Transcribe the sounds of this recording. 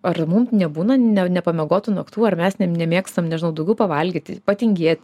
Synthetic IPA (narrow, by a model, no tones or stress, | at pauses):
ɐrmumnʲɛbuːnɐnʲɛnʲɛpɐmʲɛɡoːt̪ʊnɐkt̪uːɐrmʲɛsnʲɛnʲɛmʲeːkst̪ɐmnʲɛʒʲɪnɐʊd̪ɐʊɡʲɛʊpɐʋɐlʲɡʲiːt̪ʲɪpɐtʲɪŋʲɡʲeːt̪ʲ